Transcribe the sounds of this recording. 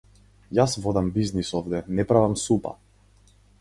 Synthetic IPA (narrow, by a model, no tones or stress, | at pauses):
jasvɔd̪ambiznisɔvd̪ɛnɛpɾavamsupa̰